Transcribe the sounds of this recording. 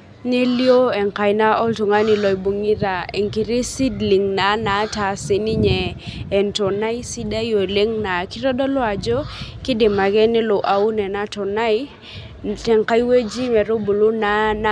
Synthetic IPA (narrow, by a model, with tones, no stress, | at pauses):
ne˦ljo˦ɛ˨ŋka˨jna˦ɔ˦ltu˨ŋa˦ni˨lɔ˨jbu˨ŋi˦ɾa˨e˨ŋki˨ɾi˦si˦dli˨ŋna˨˦na˨˦ta˨sɪ˨nɪ˦ɲɛː˨ntɔ˨na˦i˦si˦da˦jo˨e˨le˦ŋna˨kɪ˦ɾɔ˦dɔ˦lɔ˦a˨d͡ʒɔ˦kɪ˦de˨ma˨ɡɛ˦nɪ˦lo˨ʔa˨u˦nɛ˨na˦tɔ˨na˦i˦ | tɛ˨ŋka˦jwe˦d͡ʒi˦mɛ˨ɾo˦bu˨lu˦na˨˦na˦